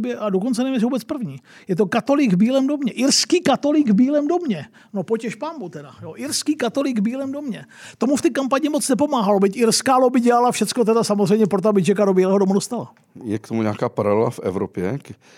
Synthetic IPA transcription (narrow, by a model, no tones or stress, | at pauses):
bjɛʔadokont͡sɛnɛmɲɛsvuːbɛt͡spr̩vɲiːjɛt̪o̞kat̪o̞lɪɡvbiːlɛːmdo̞mɲɛʔɪɾskiːkat̪o̞lɪɡvbiːlɛːmdo̞mɲɛ | no̞pocɛʃpaːmbut̪ɛdajoʔɪɾskiːkat̪o̞lɪɡvbiːlɛːmdomɲɛt̪o̞muft̪ɪkampaɲɪmot͡snɛpo̞maːɦalobɪcʔɪɾskaːlobɪɟɛlalafʃɛt͡sko̞t̪ɛdasamozrɛjmɲɛpɾot̪oabɪt͡ʃɛkadobiːlɛːɦodomudost̪ala̰ | jɛkt̪omuɲaːkaːpaɾalɛla̰fʔɛ̰vɾopjɛk